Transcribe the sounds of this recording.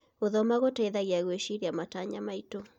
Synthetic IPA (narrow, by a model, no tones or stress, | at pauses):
oðɔmaɣotaeðaɣeaɣweʃiɾiamataɲamaito